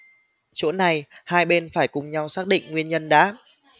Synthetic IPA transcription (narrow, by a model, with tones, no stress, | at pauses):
t͡ɕo̰˧˥na˨˩jhaː˧jɓe˧nfaː˧˩jkʊ˨˩ŋ͡mɲa˧wsaː˦˥k̚ɗḭ˧˨ŋ̟ŋwi˧ənɲə˧nɗa̰ː˧˥